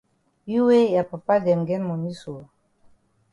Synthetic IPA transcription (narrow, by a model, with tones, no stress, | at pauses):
ji˦we˦ja˨pa˨pa˦dɛ˨mɡɛ˦nmɔ˨mi˦so˨